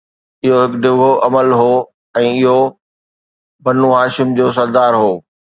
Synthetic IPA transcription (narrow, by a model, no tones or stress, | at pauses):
ɪɦoɦɪkɖɪɡʱoʔɐməlɦoː | ɛ̃ːɪɦo | bɐnuɦaːʃɪmd͡ʑoːs̬ɐɾd̪aːɾɦoː